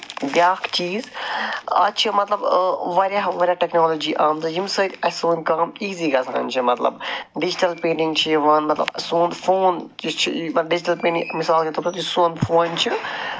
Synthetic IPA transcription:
bjaːkt͡ʃiːz | ɐ̰t͡ʃʰimɐt̪lɐbʋɐɾʲjaʋɐɾʲjaʈeknoːloːd͡ʒiːʔaːmzɨjimsɐt̪ʲɐsoːnʲkaːmiːziːɡɐsʰã̰ːnʲt͡ʃʰimɐt̪lɐ̰bɖid͡ʒiʈɐlpẽːɳɖĩŋɡt͡ʃʰiʋɐnmɐt̪lɐ̰bsoːnfoːnt͡ʃit͡ʃʰimɐɖid͡ʒiʈɐlpẽːnɖiŋmisaːlket̪ʰɐpsɐt̪jisoːnfʰoːnt͡ʃʰi

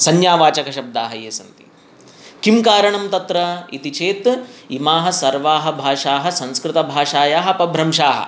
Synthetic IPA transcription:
sɐnjaːʋaːt͡ʃɐkɐʃɐb̚d̪aːɦɐjeːsɐnt̪i̥̰ | kimkaːɾɐɳɐmt̪ɐt̪ɾɐit̪it͡ʃeːt̪imaːɦɐ̆sɐɾʋaːɦɐ̆bʱaːʂaːɦɐ̆sɐ̃nskɾɪt̪ɐbʱaːʂaːjaːɦɐpɐbʱɾɐmʃaːɦɐ̰̆

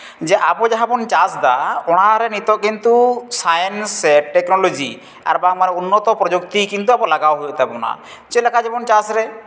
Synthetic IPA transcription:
d͡ʒɛʔabɔd͡ʒaɦabɔnt͡ʃãsd̪aɔɽ̃aɾɛnit̪ɔʔ̚kint̪usajɛnsɛʈɛknɔlod͡ʒi | a̰ɾbaŋmanɛunːɔt̪ɔpɾɔd͡ʒuk̚t̪ikint̪uabɔlaɡawɦujɔʔt̪ɛbɔna̰ | t͡ʃɛlɛkʰad͡ʒɛbɔnt͡ʃãsɾɛ

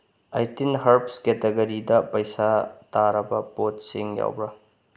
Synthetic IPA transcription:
ajtinɦɐɾpsketeɡɐɾidɐpɐjsataɾɐbɐpotsiŋja̰wbɾɐ

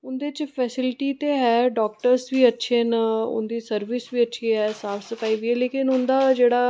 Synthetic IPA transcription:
ʊnd̪et͡ʃpʰɛːsɪlɪʈiːt̪eːɦɛːɖɔːk̚ʈəɾsʋiːətːʃʰeːnəʊ̰nd̪iːsəɾʋisʋiːətːʃʰiɦɛːsaːpʰsəpaːiʋiɛːleːkɪnʊnd̪aːd͡ʒeːɽaː

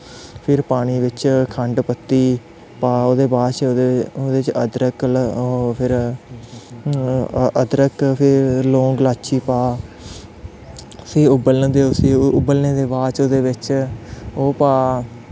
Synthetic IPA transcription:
pʰɪɾpaːɽ̃iːʋɪt͡ʃkʰəɳɖpət̪ːiː | paːoːd̪eːbaːt͡ʃːd̪eoːd̪eːt͡ʃəd̪ɾəklːpʰɪɾ | əd̪ɾəkpʰɪɾlõːŋɡlaːt͡ʃʰiːpaː | siːʊbəlnːd̪eːʊsiːʊbəlneːd̪eːbaːt͡ʃoːd̪eːʋɪt͡ʃ | oːpaː

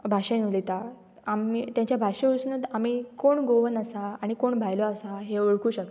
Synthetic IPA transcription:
bʱaʂẽnulit̪a | amit̪jãɲt͡ɕjabʱaʂẽuɭsunəd̪amikoɳɡoʋənasaaɽ̃ikoɳbʱajlɔasaɦeoɭkuːɕək̚t̪

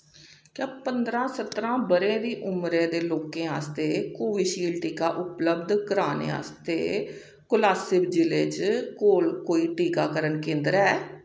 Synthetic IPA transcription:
kjãːpənd̪ɾãːsət̪ɾãːbəɾẽːd̪iːʔʊmɾeːd̪eːloːkẽːɦa̰ːst̪eːkoːʋiːʃiːlʈiːkaːʔʊpləbd̪kəɾaːnḛːa̰ːst̪ḛː | kʊlaːsɪbd͡ʒɪleːd͡ʒkoːlkoːiːʈiːkaːkəɾənkẽːnd̪əɾɛː

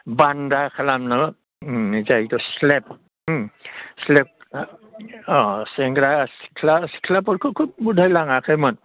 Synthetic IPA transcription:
bandakʰalamna | nizajtɔslep̚ | slep̚ | ɔseŋɡɾasi̥kʰlasi̥kʰlapɔɾkʰukʰub̚budʱajlaŋakʰajman

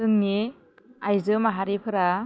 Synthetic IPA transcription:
ɯŋni | ajzɯmaɦaɾipʰɯɾa

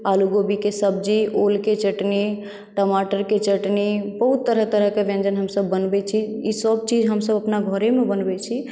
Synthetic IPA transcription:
aluɡobikesəb̚d͡ʒiolket͡ʃəʈni | ʈəmaʈəɾket͡ʃəʈnibəɦut̪ːəɾəɦt̪əɾəɦkeʋẽnd͡ʒənɦəmsəbːənbɛt͡ʃʰiisəb̚t͡ʃid͡ʒʱɦəmsəbəpnaɡʱəɾemebənbɛt͡ʃʰi

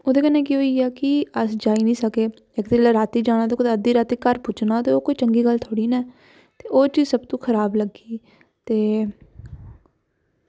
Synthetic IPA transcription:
oːd̪eːkənẽːk̬ioːiːɛːkɪəsd͡ʒaːiːnĩːsəkeː | ɪkt̪eːlaːɾaːt̪iːd͡ʒaːɽ̃aːt̪eːkd̪əd̪iːɾaːt̪iːkəɾpʊt͡ʃnãːt̪eːoːkoiːt͡ʃəŋɡiːɡəlt̪ʰoːɽiːnɛː | t̪eːoːt͡ʃiːzsəbt̪ũːkʰəɾaːbləɡiː | t̪eː

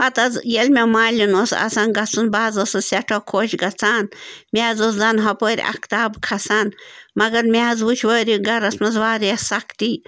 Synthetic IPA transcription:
ɐt̪ɐzjelmʲemaːlʲinoːsɐ̰saːnɡɐt͡sunbaːzosɨsʲeʈʰokʰoːʃɡɐt͡sʰaːnmʲaːzoszɐnɦɐpoːɾʲḭʔɐ̰kt̪aːbkʰɐsaːnmɐɡɐɾmʲaːzʋut͡ʃʰʋəːɾiɡɐɾɐsmɐzʋaːɾiɐsɐkt̪iː

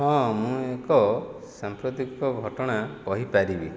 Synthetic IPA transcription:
ɦɔ̃mũekɔ | sampɾut̪ikɔɡʱɔʈɔɽ̃akɔɦipaɾibi

